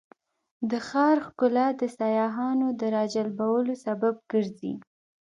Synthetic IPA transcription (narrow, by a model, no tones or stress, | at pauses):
d̪əxɑɾxkʊlad̪əsajɑɦɑnod̪əɾɑd͡ʒalbawəlosabab̚ɡ̥əɾzḭ